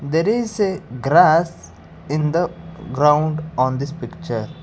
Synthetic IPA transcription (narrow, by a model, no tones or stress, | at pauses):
d̪eːɾɪzeɡɾas | ɪ̃nd̪əɡɾãʊ̃ɳɖɔ̃ːnd̪ɪspɪkt͡ʃəɾ